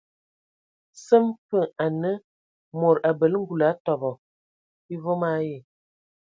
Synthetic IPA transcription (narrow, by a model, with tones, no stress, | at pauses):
sə˦mpə˦˨a˨nə˦ | mo˨ɾa˨bə˨lŋ̩˦ɡu˨la˨˦tɔ˨bɔ˨ | i˦vo˦ma˦je˨